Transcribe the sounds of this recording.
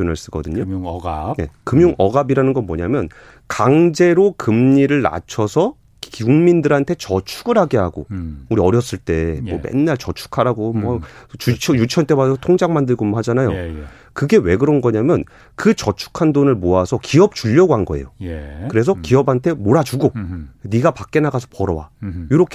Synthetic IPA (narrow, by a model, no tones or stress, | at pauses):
unɯɭs͈ɯɡʌ̰dɯɲoje̞̰kɯmjuŋʔʌɡabiɾanɯnɡʌnmʌɲamjʌn | kaŋd͡ʑe̞ɾokɯmɲiɾɯɭna̰t͡ɕʰʌsʰʌ | kuŋmindɯɾɦantʰe̞t͡ɕʌt͡ɕʰuɡɯɾɦaɡe̞ɦaɡouɾiʌɾjʌs͈ɯɭt͈e̞mʌmḛnːaɭt͡ɕʌt͡ɕʰu̥kʰaɾaɡomwʌt͡ɕut͡ɕʰʌjut͡ɕʰʌnt͈ʰebasʰʌtʰoŋd͡ʑaŋmandɯɭɡomnɦad͡ʑanajo̰ | kɯɡe̞we̞ɡɯɾʌnɡʌɲamjʌn | kɯt͡ɕʌt͡ɕʰu̥kʰandonɯɭmoasʰʌkiʌp̚t͡ɕuʎːʌɡoɦanɡʌejojkɯɾe̞s̬ʰʌkiʌbɦantʰe̞moɾad͡ʑuɡoniɡapak̚k͈e̞naɡasʰʌpʌɾʌwa̰joɾʌkʰ